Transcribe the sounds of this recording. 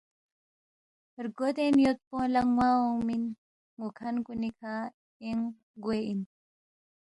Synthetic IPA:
ɾɡot̪enjot̪̚põlaŋwaomin | ŋukʰankunikʰa | eŋ | ɡwein

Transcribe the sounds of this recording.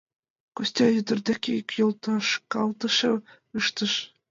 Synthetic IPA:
kusʲt̪ʲɑjɵd̪ɘ̆rd̪ækʲeikʲjolˠt̪ɑʃkɑlˠt̪ɤ̆ʃɤ | ɯʃt̪ɤ̆ʃ

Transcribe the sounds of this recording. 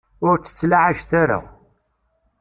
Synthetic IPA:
ʊɾt͡sːə̥t͡sːlaʕaʒθaɾa̰

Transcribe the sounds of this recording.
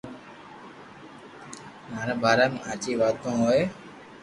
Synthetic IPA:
maːɾẽːbʱaːɾaːmẽːaːt͡ʃiːʋaːt̪õːɦoːeː

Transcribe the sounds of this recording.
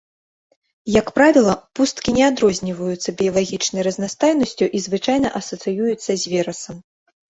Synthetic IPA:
jɐkpɾavʲilˠɐpust̪kʲinʲɛad̪ɾɔzʲnʲivɐjut̪sːɐbʲijɐlˠaɣʲit͡ʂnɐjrɐzʲnast̪ajnɐsʲt͡sʲuʔizvɨt͡ʂajnɐʔɐsɐt̪sɨjujut̪sːɐzʲvʲɛɾɐsɐm

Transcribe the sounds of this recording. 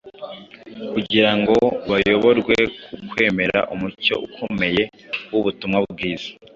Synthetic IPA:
kuɟiɾaŋɡo̞βajo̞βo̞ɾɡwe̞kʰukwe̞ːme̞ɾa̰ʔumuco̞ʔukʰo̞me̞je̞ | wuβutumŋabɡiːz̥ḁ

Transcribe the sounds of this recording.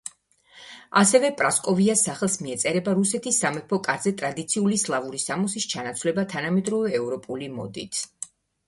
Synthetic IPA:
asɛvɛpʼɾaskʼɔviasaχɛlˠsmiɛt̪sʼɛɾɛbaɾusɛt̪ʰisːamɛpʰɔkʼaɾzɛt̪ʼɾad̪it̪sʰiulislˠavuɾisamɔsist͡ʃʰanat̪sʰvlɛbat̪ʰanamɛd̪ɾɔvɛːvɾɔpʼulimɔ̰d̪ḭt̪ʰ

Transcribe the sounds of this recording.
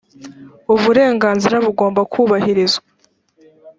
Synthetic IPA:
uβuɾe̞ːŋɡaːnziɾaβuɡo̞ːmbakʰuːβahiɾizwa

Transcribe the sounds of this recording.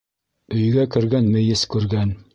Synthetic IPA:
ɵ̆jɡækɘ̆ɾɡænmɘ̆jɘskʉɾɡæn

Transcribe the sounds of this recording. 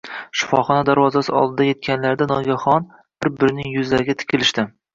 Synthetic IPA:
ʃɪ̥fɒχɒnad̪aɾvɒzasɪɒ̰lˠd̪ɪd̪aje̞t̪̚kʲʰanlaɾd̪anɒɡʲaχɒn | b̥ɪɾbɪɾɪnɪŋjʊzlaɾɪɡʲat̪ʰɪ̥kʲʰɪlɪʃt̪ɪ

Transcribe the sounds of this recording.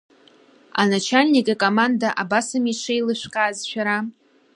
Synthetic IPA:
a̰nat͡ʃʰalʲnikʼakʼomandaʔabasɨmiʂʰejlɨʃᶣʷkʼaːzʃᶣaɾa

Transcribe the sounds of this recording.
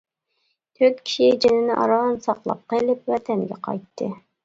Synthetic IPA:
t̪ʰøɾt̪̚kʲʰi̥ʃid͡ʒɪnɪnɪʔɑ̰ɾɑnsɑqlˠɑ̰p̚qəlˠɪp̚wɛt̪ʰɛnɡʲɛ̰qʰɑ̰jt̪ʰːɨ

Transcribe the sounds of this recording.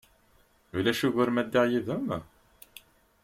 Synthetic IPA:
ulæʃuʝəɾmæd̪ːiʁjiðəm

